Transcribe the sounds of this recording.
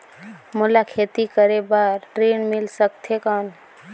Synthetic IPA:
mulakʰet̪ikəɾebaɾʈɾenmilsəkt̪ʰekən

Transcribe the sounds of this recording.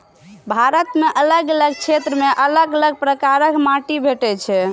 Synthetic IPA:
bʱaɾət̪meʔələɡələɡ̚t͡ʃʰet̪ɾəmeʔələɡələɡ̚pɾəkaɾəkmaʈibʱeʈɛt͡ʃʰɛ

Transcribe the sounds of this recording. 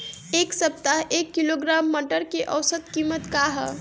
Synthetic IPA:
eksəp̚t̪aɦʔekːiloɡɾamːəʈəɾkeʔəwsət̪kimət̪kaɦə

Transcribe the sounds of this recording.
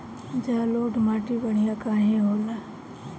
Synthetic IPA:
d͡ʒaːloːʈmaːʈibəɽ̃ijakaːɦẽɦoːna

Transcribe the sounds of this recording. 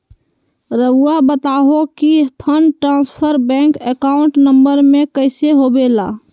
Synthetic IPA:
ɾəwʊabət̪aːɦokipʰəɳɖʈɾãːspʰəɾbɛ̃ːŋkekaːʊ̃ɳʈnə̃mbəɾmẽkəɪseɦoːbeːla̰ː

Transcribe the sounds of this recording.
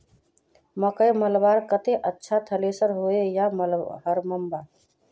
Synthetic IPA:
məkəjməlbaɾkət̪eʔətːʃʰat̪ʰəlesəɾɦoejaməlhəɾməmba

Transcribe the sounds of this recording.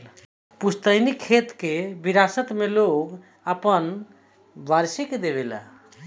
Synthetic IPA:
pust̪əjnikʰet̪kebiɾasət̪meloɡ | əpən | baɾseked̪eβela̰

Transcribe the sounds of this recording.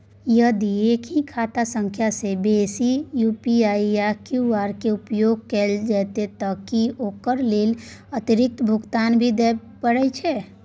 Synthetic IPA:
jəd̪iekʰɦikʰat̪asə̃ŋkʰjasebesijupiaijakjuaɾkeupjoɡ̚kɛld͡ʒɛt̪et̪əkiokəɾlelət̪iɾɪk̚t̪bʱuɡt̪anbʱid̪ɛpəɽɛt͡ʃʰɛ

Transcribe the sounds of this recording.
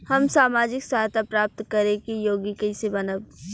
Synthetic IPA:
hɐmsaːmaːd͡ʒɪksaɦt̪apɾaːp̚t̪kɐɾẽkijoːɡikɐisebɐnəb

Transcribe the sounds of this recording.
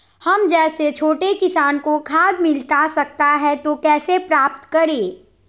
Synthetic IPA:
hɐmd͡ʒɛːset͡ʃʰoːʈekɪsaːnkokʰaːd̪mɪlt̪asɐk̚t̪aɦɛt̪okɛːsepɾaːpt̪kɐɾeː

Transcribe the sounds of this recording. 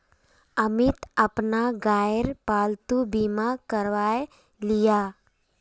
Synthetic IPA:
ɐmɪt̪ɐpnaɡaːjəɾpaːlt̪ubiːmakɐɾʋaːje | lijaː

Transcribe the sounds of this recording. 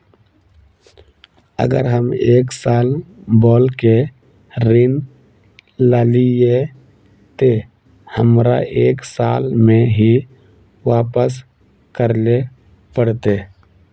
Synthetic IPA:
ə̰ɡə̰ɾɦəmeːksaːlbɔːlke | ɾɪn | laːlie | t̪e | həmɾa̰ʔeːksaːlmẽɦi | waːpəs̬ | kəɾle | pəɽt̪e

